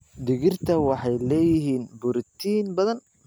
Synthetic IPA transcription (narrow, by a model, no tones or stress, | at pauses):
d̪ɪɣɪrt̪ʰɐwɑħɑjlɛːjɪɦiːnbʊɾɪt̪ʰiːnbɐðɐn